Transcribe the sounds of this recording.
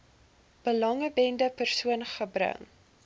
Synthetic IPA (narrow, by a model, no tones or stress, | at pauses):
b̥əlɐŋəbɛndəpərsuənχəbrə̰ŋ